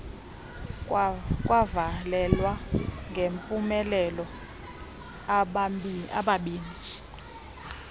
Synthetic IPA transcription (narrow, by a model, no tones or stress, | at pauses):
kʼwavalɛlwaŋɡʱempʼumɛlɛlɔ | a̰ɓaɓiːni